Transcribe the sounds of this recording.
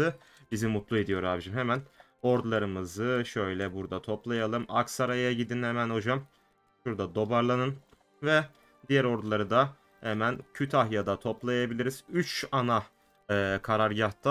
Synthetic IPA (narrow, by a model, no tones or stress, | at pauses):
ɯ | bizimːut̪lˠued̪ijo̞ɾuaːbid͡ʒimɦemæn | o̞ɾd̪ulˠaɾɯmɯzɯʃø̞jlʲɛbuɾd̪at̪ʰo̞plˠajalˠɯmʔaksaɾajaɟid̪inhemænho̞d͡ʒam | ʃuɾd̪ad̪o̞baɾlˠanɯn | vɛ | d̪ijæɾo̞ɾd̪ulˠaɾɯd̪a | hemæncʰyt̪ʰahjad̪at̪ʰo̞plˠajabilʲiɾiz̥yt͡ʃanaː | kʰaɾaɾɟaht̪ʰa